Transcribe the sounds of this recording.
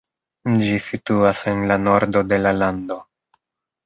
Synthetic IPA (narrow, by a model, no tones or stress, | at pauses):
d͡ʒisituase̞nlano̞ɾdo̞de̞lalando̞